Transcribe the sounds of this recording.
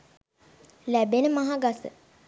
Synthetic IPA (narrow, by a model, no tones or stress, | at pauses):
læbenəmaɦaɡasə̰